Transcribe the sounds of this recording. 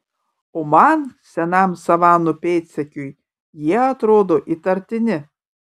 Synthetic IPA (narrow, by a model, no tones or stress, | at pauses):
oːmɐnsʲɛnɐmsɐʋɑːnʊpʲɛːt̪ʲsʲɛkʲʊj | jiɛɐt̪ɾoːd̪oːʔit̪ɐɾʲt̪ʲɪnʲɪ